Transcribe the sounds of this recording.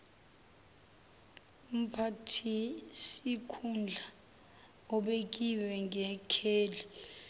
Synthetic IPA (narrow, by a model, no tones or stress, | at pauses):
um̩pʰatʰisikʰund͡ɮʱa | ɔɓek̬iwɛŋʱɛkʰeːli